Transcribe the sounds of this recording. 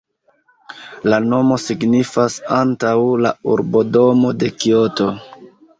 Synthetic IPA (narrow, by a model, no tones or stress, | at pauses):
lano̞mo̞siɡnifasantawla̰uɾbo̞do̞mo̞de̞kioto̞